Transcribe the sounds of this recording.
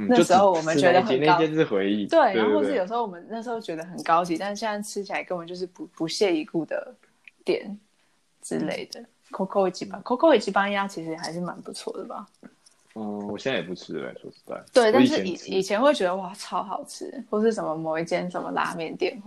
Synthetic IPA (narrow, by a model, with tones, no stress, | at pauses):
n̩˥na˥˩o˥ʂɻ̩˧˥xo˥˩ʊwɔ˨˩mə˦nt͡ɕɥɛ˧˦d̪ə˧xn˥˧˥jɛ˥˧nt͡s̩˥˩xwe˧ɪi˥˩t̪we˥˩ɪna˧˥˧ʂɻ̩˥˩jo˨˩ʂ̬̩˧˥xo˥˩wɔ˨˩mə˦na˥˩ʂ̩˧˥o˥˩t͡ɕɥɛ˧˥d̪ə˧xə˨˩nkɑ˥ʊt͡ɕi˧˦t̪a˥˧n̩˥˩jɛ˥nsa˥˩ʈ͡ʂʰɻ̩˥t͡ɕʰi˨˩a˧˥ɪkə˧˥nwə˧˦t͡ɕjo˥˧ʊʂɻ̩˥˩pu˧pu˧˦ɕjɛ˥˩i˧˥ku˥˩d̪ə̰˩ | t̪jɛ̰˨˩˦n | ʈ͡ʂɻ̩˥lḛ˥˩ɪd̪ə˩ | kʰo˥kʰo˥˨˩t͡ɕi˧˥pa˥˦ŋkʰo˥kʰo˥i˨˩t͡ɕi˧˥pa˥nja˥t͡ɕʰi˧˥ʂ̬ɻ̩˧xa˧˥ɪʂɻ̩˥˩ma̰˧˥npu˧˥t͡sʰwɔ̰˥˩d̪ə˩bɐ̰˩ | ɔ˥˩wɔ˨˩ɕjɛ˥˧na˥˩jɛ˨˩pu˥˩ʈ͡ʂʰɻ̩˥la̰˧˥ɪʂwɔ̰̥˥t̪a̰˥˩ɪt̪we˥˩ɪt̪a˥˧nʂ̬̩˥˧i˨˩i˨˩t͡ɕʰjɛ˧˥nwe˥˩ɪt͡ɕɥɛ˧˥d̪ə˧wa˥˩ʈ͡ʂʰɑ˥ʊxɑ˨˩ʊʈ͡ʂʰɻ̩̰˥xwɔ˥˧ʂ̬̩˥˩ʂ̬ə˧˨˩nmə˦mo˨˩ʊi˥˩t̪jɛ˥˩nt͡sə˨˩nmə̰˦la̰˧˥mjɛ˨˩˦nt̪jɛ̰˨˩˦n